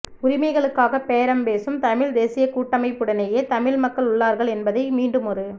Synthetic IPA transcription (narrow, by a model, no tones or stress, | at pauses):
ʊɾɪmɐɪɣɐɭɯkːaːɣɐpeːɾɐmpeːsɯmt̪ɐmɪɭd̪eːsɪjɐkuːʈːɐmɐɪpːɯɽɐnejeːt̪ɐmɪɭmɐkːɐɭʊɭːaːɾɣɐɭɛnbɐðɐɪmiːɳɖɯmɔɾɯ